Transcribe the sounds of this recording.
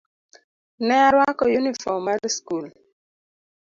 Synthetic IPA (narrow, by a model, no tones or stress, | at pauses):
nɛaɾwakɔjunifɔmadskul